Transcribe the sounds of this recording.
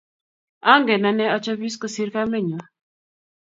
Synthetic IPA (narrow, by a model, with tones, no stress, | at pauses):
ɔ˦ŋɡɛ˨na˨nɛ˦ɔ˦t͡ʃa˦bi˦skɔ˦si˦ɾka˦mɛ˦˨ɲɔ˨